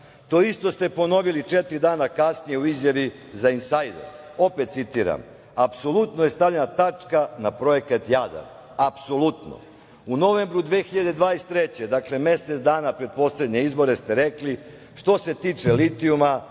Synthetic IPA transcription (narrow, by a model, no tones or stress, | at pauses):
t̪o̞ist̪o̞st̪e̞po̞no̞ʋilit͡ʃet̪ɾid̪aːnakasnije̞uizjaʋizainsajd̪ḛɾo̞pe̞t̪̚sit̪iːɾa̰m | apso̞lˠut̪noje̞st̪avʎenat̪at͡ʃkanapɾo̞je̞kat̪jad̪a̰n | apso̞lˠut̪no̰ | uno̞ʋembɾud̪ʋexiʎad̪e̞d̪ʋaːnest̪ːɾet͡ɕe̞d̪akle̞me̞set̪d̪aːnapɾe̞d̪̚po̞sle̞d̪ɲe̞izbo̞ɾe̞st̪e̞ɾe̞kli | ʃt̪o̞se̞t̪iːt͡ʂe̞lit̪iuma